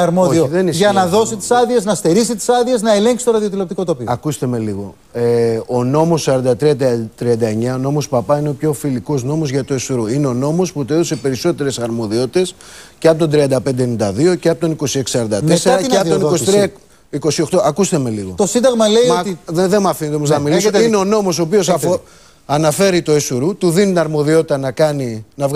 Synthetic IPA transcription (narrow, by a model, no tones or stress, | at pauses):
ɐɾmoðooðenisʝɐnɐðo̞sit̪i̥sɐðieznɐst̪e̞ɾisit̪i̥sɐðieznɐele̞ŋksi̥t̪oɾɐðio̞t̪ilopt̪iko̞t̪o̞pioɐkust̪eme̞liɣo̞ | eono̞mo̞sːɐɾɐnd̪ɐt̪ɾiɐt̪t̪ɾiɐnd̪ɐeɲɐono̞mo̞spɐpɐineopço̞filiko̞zno̞mo̞zʝɐt̪oesuɾuineo̞no̞mo̞sput̪eðose̞pe̞ɾiso̞t̪e̞ɾe̞sɐɾmo̞ðio̞t̪i̥t̪e̞sceɐpot̪o̞nd̪ɾiɐnd̪ɐpe̞nd̪enind̪ɐðio̞ceɐpot̪o̞niko̞sie̞ksi̥sɐɾɐnd̪ɐmeseɾɐeɐpt̪onikost̪ɾi | iko̞sio̞xt̪oɐkust̪eme̞liɣo̞t̪osind̪ɐɣmɐleiðeðemɐfinet̪omoznɐmilisɐt̪ineo̞no̞mo̞so̞ːpio̞s̬fo | ɐnɐfe̞ɾit̪o̞esuɾut̪uðinit̪inɐɾmo̞ðio̞t̪i̥t̪ɐnɐkɐninɐvɣ